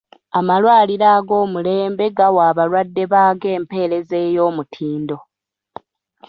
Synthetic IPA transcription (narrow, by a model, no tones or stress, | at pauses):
amalwaːliɾaːɡo̞ːmule̞ːmbe̞ɡawaːβalwadːe̞βaːɡe̞ːmpe̞ːɾe̞ze̞ːjo̞ːmutʰiːndo̞